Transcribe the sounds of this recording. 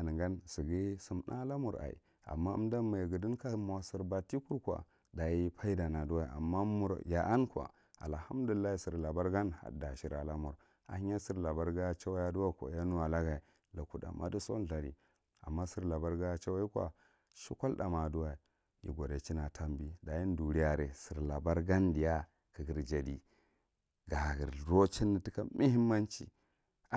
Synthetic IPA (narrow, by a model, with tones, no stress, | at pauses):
a˨n˨ŋɡa˦nsi˨ɡi˦su˨mnʔa˦la˦mu˨ɾa̰˨ḭ˨ | a̰˨mːa˦ṵ˦mda˦mːa˨i˨ɡə˨di˦ka˦m˨a˨si˨ɾba˨ti˦ku˦ɾkʷa̰˨ | da˨ji˦pʰa˦i˦da˨na˨du˦wa˦i˨a̰˨mːa˦mu˨ɾja˨ʔa˦nkʷa̰˨ | a̰˨lha˦mdu˨llːa˦hi˨si˨ɾla˨ba˦ɾɡa˦nha̰˨da˨ʃi˨ɾa˨la˦mu˨ɾ | a̰˨˦a˦si˦ɾla˨ba˦ɾɡa˦t͡ʃa˦wa˦ja˦du˦wa˦˨kʷa̰˨ja˦nu˦wa˨la˦ɡa˨i˨ | la˨ku˨da̰˨ma̰˦du˦so˦n˨ɬa˨ɾi˨ | a̰˨mːa˦si˦ɾla˨ba˦ɾɡa˦ja˨t͡ʃa˦wa˦i˦kʷa̰˨ | ʃi˦ka˦lda˨ma˨du˦wa˨ | jḭ˨ɡʷo˨ɾe˨t͡ʃi˦na˨tʰa˦mbi˦da˨ji˦n˦du˨ɾi˦ja˨ɾe˨si˨ɾla˨ba˦ɾɡa˦ndi˨ja˦ | ki˨ɡi˨ɾd͡ʒa˨di˨ | ɡa˨ɡi˨ɾɾo˦t͡ʃi˦nːi˨ti˦ka˦mi˦hi˦mːa˦nt͡ʃḭ˨˦